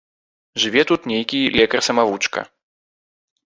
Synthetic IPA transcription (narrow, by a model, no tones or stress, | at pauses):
ʐɨvʲɛt̪ut̪nʲejkʲilʲɛkɐrsɐmavut͡ʂkɐ̰